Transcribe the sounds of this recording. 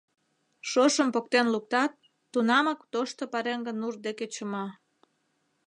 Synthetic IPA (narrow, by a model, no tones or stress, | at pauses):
ʃoʃəmpokt̪enluk̚t̪ɑt̪ː | unɑmɑkt̪oʃt̪opɑɾeŋɡənurd̪eket͡ɕə̆mɑ